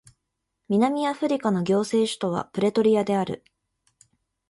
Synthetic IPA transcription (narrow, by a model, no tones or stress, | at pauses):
mʲinamʲijaɸɯ̟ɾʲikano̞ɡʲo̞ːse̞ːɕɨ̥t̪o̞β̞a̰pɯ̟ɾe̞t̪o̞ɾʲiad̪e̞aɾɯ̟̰